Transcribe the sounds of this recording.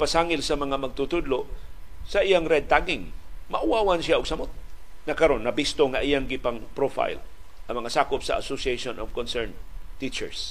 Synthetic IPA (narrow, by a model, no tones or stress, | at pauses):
pasaŋɪlsɐmɐŋamɐɡ̚t̪ut̪ʊd̪loʔsɐʔɪjaŋɾɛd̪̚t̪aɡɪŋmɐʔʊwawansjaʔʊɡsɐmot̪̚ŋɐkɐɾonːɐbist̪oŋaʔijaŋɡɪpaŋpɾofa̰jlʔɐŋmɐŋasaːkʊpsɐ̰ʔa̰sosieʃonʔɔvkonsɛɹnt̪it͡ʃɛ̰ɹs